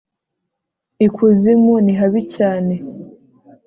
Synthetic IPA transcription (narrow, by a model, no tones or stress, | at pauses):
ikʰuzimuniɦaβicaːne̞